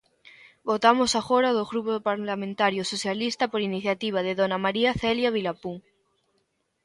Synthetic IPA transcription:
bot̪amosaɣoɾaðoɣɾupoðpaɾlamẽnt̪aɾjosoθjalist̪apoɾiniθjat̪iβ̞aðeðonamaɾiaθeljaβ̞ilapuŋ

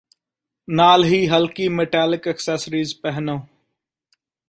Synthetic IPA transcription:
naːlɦiːɦəlkiːmeʈaːlɪkɛksesəɾiːzpɛɦnõː

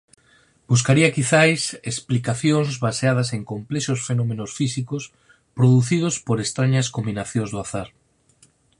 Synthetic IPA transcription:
bus̬kaɾiɐkiθajsesplikaθjõŋzβaseað̞ɐseŋkomplɛʃosfenõmẽnosfisikos | pɾoðuθið̞ospoɾest̪ɾaɲɐskombinaθjõŋzðʊaθaɾ

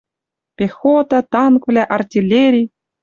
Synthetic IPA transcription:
pʲexot̪ɑt̪ɑnkvlʲæʔɑrtʲilʲeɾʲi

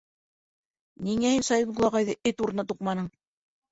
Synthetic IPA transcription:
niŋæhinsɑjid̪ɡulˠɑʁɑjðɤɘt̪uɾɤ̆nɑt̪uqmɑnɤɴ

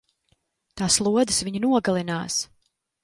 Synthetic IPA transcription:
t̪aːslˠuɔd̪ɨsviɲunuɔɡalˠinaːs

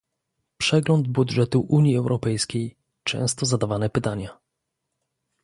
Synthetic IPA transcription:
pʂɛɡlɔnd̪̚bud̪ʐɛt̪uʔuɲiɛwɾʔɔpɛjskʲej | t͡ʂɛ̰̃w̃st̪ɔzad̪avanɛpɘt̪aɲa

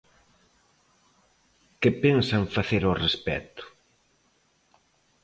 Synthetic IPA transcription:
kɪpensaɱfaθeɾorespɛ̰t̪ʊ̥

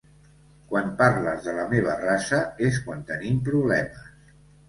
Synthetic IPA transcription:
kwanpaɾlə̰zðələmeβ̞ərasəes̬kwant̪ənimpɾuβlɛməs

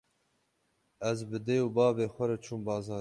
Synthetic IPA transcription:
ɛzbɨd̪eːjubɑːveːxʷɛɾɛt͡ʃʰuːmbɑːzɑː

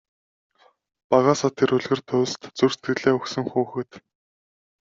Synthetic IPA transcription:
paʁaːsɔːt̪ʰːeɾɵɮɣɘ̆rt̪ʰʊːst̪t͡surst̪ɡɘ̆ɮeːɵxsɵ̆ŋxuːxɘ̆t̪

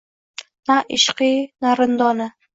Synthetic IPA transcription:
naʔɪʃqinaɾɪnd̪ɒnɪ

